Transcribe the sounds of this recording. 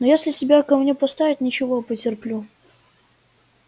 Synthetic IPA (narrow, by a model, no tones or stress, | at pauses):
nojasʲlʲɪsʲɪbʲakɐmnʲepɐst̪avʲɪt̪ʲnʲɪt͡ɕɪvopətʲɪrplʲu